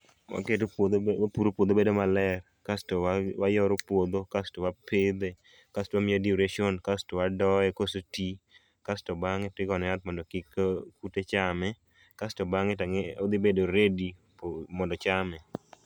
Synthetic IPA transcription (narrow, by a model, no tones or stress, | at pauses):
wʔa̰ket̬opod̪wapuɾopwod̪obedomalɛr | kastowajɔɾopwod̪okastowapʰed̪e | kastowamɪadioɾeʃonkastowadɔɛkosoti | kastobaŋɪtɪɡɔnɔat̪̚mɔndokikkutet͡ʃamɛ | kastobaŋɪtaŋeod̪ibedoɾedi | pmɔndɔt͡ʃamɛ